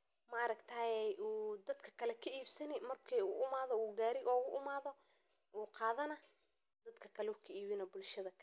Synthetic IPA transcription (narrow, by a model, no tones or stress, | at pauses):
mɐɾɐɡt̪ʰaːjɛjʔuːd̪ɐd̪kʰɐ̥kʰɐlɛkʰɐʔiːbsɐnɪmɐrkʰiːuʔʊmaːðɔuːɡaːɾɪʔɔːɣʊʔʊmaːðɔ | ʔuːqɑːðɐnɐ | d̪ɐd̪kʰɐkʰɐlɛukʰɐiːβɪnɐbʊlʃɐðɐkʰ